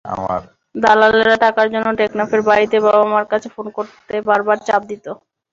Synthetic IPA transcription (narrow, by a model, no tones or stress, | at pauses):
a̰ma̰ɾ | d̪alaleɾaʈakaɾd͡ʑonːoʈeknafeɾbaɾit̪ebaamaɾkat͡ɕʰefonkoɾt̪ebaɾbaɾt͡ɕap̚d̪it̪o